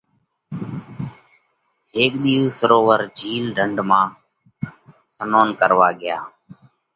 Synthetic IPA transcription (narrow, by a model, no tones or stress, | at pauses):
ɦeːkɗ̪iːuːsəɾoːʋəɾd͡ʒʱiːlɖʱəɳɖmãː | sənoːnkəɾʋaːɠɪjaː